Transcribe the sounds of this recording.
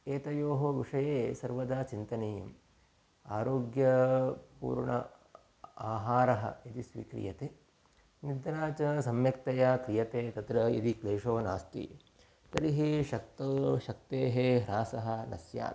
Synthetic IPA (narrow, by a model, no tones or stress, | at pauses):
eːt̪ɐjoːɦɐʋiʂɐjeːsɐɾʋɐd̪aːt͡ʃint̪ɐnejɐ̰m | aːɾoːɡjɐpṵːɾɳɐ̰ | aːɦaːɾɐɦɐ̰id̪isʋḭkɾḭjɐt̪eː | nid̪ɐɾaːt͡ʃɐsɐmjɐk̚t̪ɐjakɾijɐt̪eːt̪ɐt̪ɾɐḭd̪ikleːʂoːna̰ːst̪ḭ | t̪ɐɾiɦiʃɐk̚t̪ɐʃɐk̚t̪eːɦeɦɾaːsɐɦɐ̆nɐ̰sja̰ːt̪